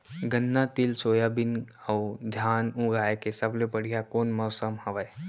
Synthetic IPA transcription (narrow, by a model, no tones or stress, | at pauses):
ɡənːat̪ɪlsoːjabɪn | ɐʊd̪ʱjaːnũɡaːekesɐblebɐɽ̤ijakoːnmɔːsəmhɐʋəj